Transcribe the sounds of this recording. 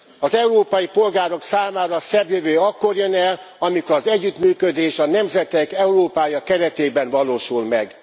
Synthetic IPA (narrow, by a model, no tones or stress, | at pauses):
ɒzɛuɾoːpɒjipo̞lɡaːɾo̞ksaːmaːɾɒsɛbjøvøːɒkːorjønɛl | ɒmikoɾɒzɛɟːyt̪myːkød̪eːʃɒnɛmzɛt̪ɛkɛuɾoːpaːjɒkɛɾɛt̪eːbɛnvɒloːʃulmɛɡ